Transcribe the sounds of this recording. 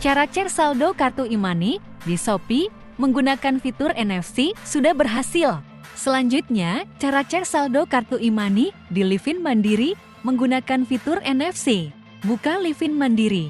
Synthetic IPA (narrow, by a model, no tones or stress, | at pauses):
t͡ʃaɾat͡ʃɛrsaldokart̪uimani | disopi | məŋɡunakanfit̪ʊrʔɛnɛfsisudahbərɦasɪl | səlaɲd͡ʒut̪̚ɲat͡ʃaɾat͡ʃɛrsaldokart̪uʔimani | dilifɪnmandiɾi | məŋɡunakanfit̪ʊrɛnɛfsi | bukalifɪnmandiɾi